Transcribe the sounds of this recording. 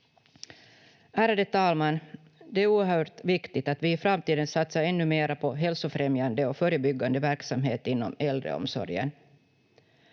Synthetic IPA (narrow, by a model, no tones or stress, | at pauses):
æːɾad̪ət̪ʰɑːlmanː | d̪ɛæɾuːɾhœːʈ̪vɪkt̪ɪɡt̪at̪vɪːfɾamt̪iːd̪ənsat̪saɾɛnːɵmeːɾapʰɔɦɛlsʊfɾɛmjand̪əɔkfœɾəbʏɡːand̪əvæɾksamɦeːt̪ɪnːɔ̰mɛld̪ɾə̰ɔ̰msɔ̰ɾjə̰n